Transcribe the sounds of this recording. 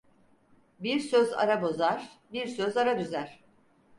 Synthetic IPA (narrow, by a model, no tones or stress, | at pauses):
biɾsøza̰ɾabo̞zaɾ̥biɾsøzaɾad̪yzæɾ̥